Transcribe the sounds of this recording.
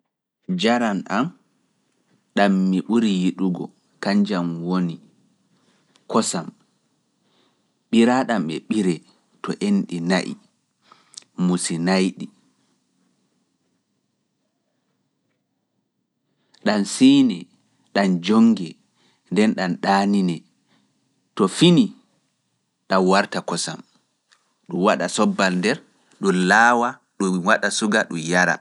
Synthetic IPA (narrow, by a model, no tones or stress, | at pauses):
d͡ʒaɾanʔam | ɗamːiɓuɾijiɗuɡɔ | kaɲd͡ʒamwoni | kɔsam | ɓiɾaɗamɓɛ̰ɓiɾɛ | tɔʔenɗinaʔḭ | musinajɗi | ɗansiːnɛ | ɗand͡ʒoŋɡɛ | ndɛnɗanɗaːninɛ | tɔfini | ɗanwaɾtakɔsa̰m | ɗumwaɗasɔbːalndɛɾ | ɗulaːwa | ɗuwaɗasuɡaɗumjaɾa̰